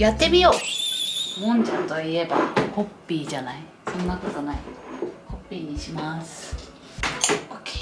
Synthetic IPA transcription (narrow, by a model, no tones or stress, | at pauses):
jat̪ːe̞mʲijo̞ː | mõ̞ɲd͡ʑãnt̪o̞ie̞ba̰ho̞pʲːiːd͡ʑanai | sõ̞nːakot̪onaiho̞pʲːiːɲ̟iɕimasɨ̥ | oke̥